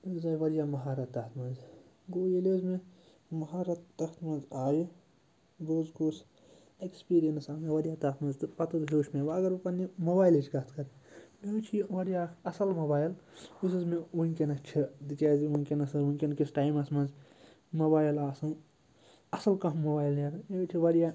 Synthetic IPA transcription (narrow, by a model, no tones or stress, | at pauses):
zaːjʋɐɾjaːmɐɦaːɾɐt̪ːɐt̪mɐnz | ɡoːjeleːzme | mɐɦaːɾɐt̪ːɐxt̪mɐ̃nzaːji | ɡoːzɡoːs | ekspiːɾijɐnsaːmeʋɐɾijaːt̪ɐxt̪mɐnzt̪ɨpɐt̪ɨd̪ɦoːʃmeʋɐɡɐɾʋɐpɐnimobaːjled͡ʒkɐt̪ʰkɐɾmet͡ʃʰiʋɐɽijaːɐsɐlmobaːjlus̬ɐzmeʋuŋkʲenɐt͡ʃʰid̪it͡ʃaːziʋuŋʲkʲenɐsɐʋunʲkʲenkisʈaːjmɐsmɐ̃nz | mobaːjilaːsɐn | ɐsɐlkɐmːobaːjlɐɾet͡ʃʰiʋɐɽijaː